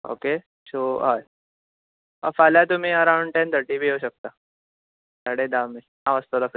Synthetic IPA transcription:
o̰ke | soɦaːj | ə̰faːljat̪um̤ĩəɾãʊɳɖʈẽnt̪ʰəɾʈibʱiɦoɕək̚t̪a | saɽed̪amːe | ãʋəst̪olaf

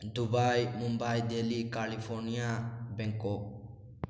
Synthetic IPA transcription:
d̪ubajmumbajd̪elikalipʰɔɾnijabɛ̃ŋkɔ

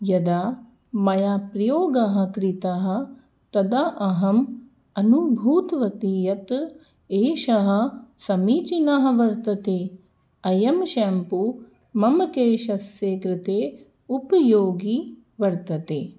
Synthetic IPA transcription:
jɐd̪aː | mɐjaːpɾɐjoːɡɐɦɐ̆kɾit̪ɐɦɐ̆ | t̪ɐd̪aʔɐɦɐm | ɐnubʱuːt̪ʋɐt̪ijɐt̪ | eːʃɐɦɐ̆sɐmiːt͡ʃinɐɦɐ̆ʋɐɾt̪ɐt̪eː | ɐjɐmʃampu | mɐmɐkeːʃɐsjeːkɾɪt̪eː | upɐjoːɡi | ʋɐɾt̪ɐt̪eː

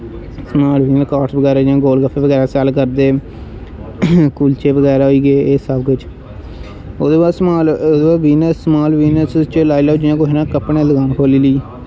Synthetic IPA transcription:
smaːlʋiːnəskaːɾʈbəɡɛːɾaːd͡ʒãːɡoːlɡəpʰːeːʋəɡɛːɾaːsɛːlkəɾd̪eː | kuːlt͡ʃeːʋəɡɛːɾaːɦoiːɡeːeːsəbkʊt͡ʃ | oːd̪eːaːsmaːlːd̪eːaːʋiːnəsmaːlʋiːnəst͡ʃəlaːilaːd͡ʒɪãːkoɦnãːkəpnẽːləɡaːnkʰoːliːliː

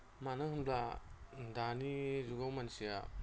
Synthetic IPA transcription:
manaɦunmbladanizuɡawmansija̰

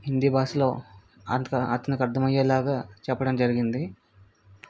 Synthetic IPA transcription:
ɦind̪iːbaːslo̞ː | ɐ̰nkɐʔɐt̪ːɐnikɐɾd̪ʱɐmɐjelaːɡaːt͡ʃɛpːɐɽɐmd͡ʒɐɾiɡind̪i

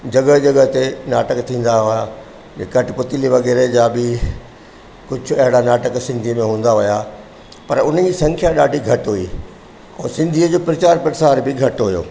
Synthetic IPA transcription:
d͡ʑɐɡəd͡ʑɐɡət̪enaːʈəkt̪ʰĩːn̆d̪aɦʊja | kɐʈpʊt̪ɪliʋɐɣɛːɾed͡ʑaːbɪ | kʊd͡ʑʱʊ̆ɐɦɪɽanaːʈəksɪ̃nd̪ʱiəmẽɦũːn̆d̪aɦʊja | pɐɾʊnəd͡ʑiːsɐ̃ŋkʰjaɗaːɖʱiɡʱɐʈɦʊi | ɛ̃ːsɪ̃nd̪ʱiəd͡ʑoːpɾɐt͡ɕaːɾpɾɐt͡ɕaːɾbɪɡʱɐʈɦʊjo̰ː

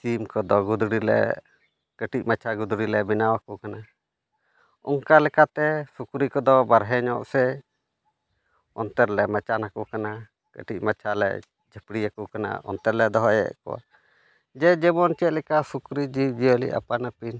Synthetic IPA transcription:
t͡ʃimkɔd̪ɔɡud̪ɽilɛ̰ | kəʈic̚mat͡ʃʰaɡud̪ɽilɛbinawakɔkana | ɔ̰ŋkalɛkat̪ɛsukɾikɔd̪ɔbaɾɦɛɲɔ̰ʔsɛ | ɔ̰nt̪ɛɾlɛmat͡ʃanakɔkana | kə̰ʈic̚mat͡ʃʰalɛ̰ | d͡ʒəpɽiakɔkana̰ɔ̰nt̪ɛɾlɛd̪ɔɦɔjɛ̰ʔkɔ̰wa̰ | d͡ʒɛd͡ʒɛbɔnt͡ʃɛt̪̚lɛkasukɾid͡ʒiwd͡ʒiəlḭʔa̰panapin

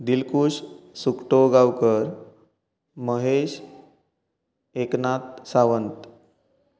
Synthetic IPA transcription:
d̪ilkuːɕsukʈoɡawkəɾ | məɦeɕ | eknat̪̚saʋənt̪

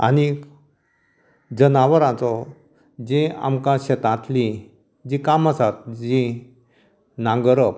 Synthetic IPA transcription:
a̰ni | d͡ʑənaʋəɾãt͡sɔ | d͡ʑĩa̰mkãɕet̪ãt̪li | d͡ʑikamasat̪̚d͡ʑi | nãŋɡəɾə

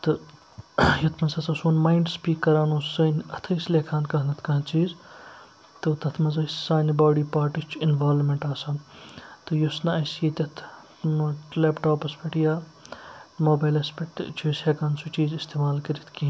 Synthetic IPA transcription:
t̪ɨ | jɐt̪ʰmɐnsɐsɐsoːnmaːiɳɖspiːkːɐɾaːnoːəːnɐt̪ʰɐsleːkʰaːnkɐɦnɐt̪ʰkɐɦt͡ʃiːz | t̪ɨt̪ɐt̪ʰmɐzɐjssaːnibaːɖiːpaːʈist͡ʃʰinʋaːlmeɳʈaːsaːnt̪ɨjosnɐɐsjit̪ʲɐt̪ʰ | leːpʈoːpɐspʲɐʈjaː | moːbaːjlɐspʲɐʈt͡ʃʰiːsheːkaːnsut͡ʃiːzist̪eːmaːlkɐɾit̪ʰki

